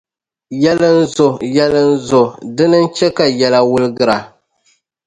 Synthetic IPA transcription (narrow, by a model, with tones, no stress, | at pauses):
jɛ˦lɨ˦n̩˦zʊ˨jɛ˦lɨ˦n̩˦zʊ˨dɨ˦nɨ˦n˦t͡ʃɛ˦ka˨jɛ˨la˨wʊ˦lɨ˦ɡɨ˦ɾa˨